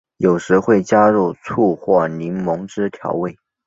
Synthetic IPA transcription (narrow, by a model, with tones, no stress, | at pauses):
jo˨˩ʊʂɻ̩˧˥xwe˥˩ɪt͡ɕja˥ɻu˥˧t͡sʰu˥˧xwɔ˥˩li˧˥nmʊ˧˥ŋʈ͡ʂɻ̩˥t̪ʰjɑ̰˧˥ʊwe˥˩ɪ